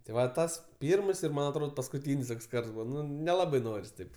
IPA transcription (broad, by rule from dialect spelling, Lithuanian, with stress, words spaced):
tʲɪ ˈʋɐ ˈtɐs ˈpʲiːrms ɪr ˈmɐn ɐtˈroːt pɐskʊˈtʲiːnʲsʲ ˈtoːks ˈkɐrts ˈbuːʋɐ nʲɛˈlˠɑːbɐɪ ˈnoːrʲɪs tɐɪp